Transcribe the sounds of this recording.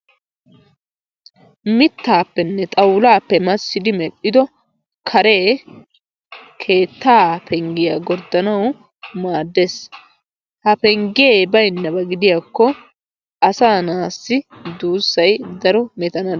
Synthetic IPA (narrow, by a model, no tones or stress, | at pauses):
mɪt̪ːaːpːɛnːɛt̪ʼɐwlaːpːɛmɐsːɪd̪ɪmɛʔːɪd̪ɔ | kʰɐɾe̞ː | kʰe̞ːt̪ːaːpʰɛŋɡɪjaːɡɔɾd̪ːɐnɐw | maːd̪ːes | hɐpɛŋɡeːbɐjnːɐbɐɡɪd̪ɪjaːkːɔ | ɐsaːnaːsːɪd̪uːsːɐjd̪ɐɾɔmɛt̪ɐnɐ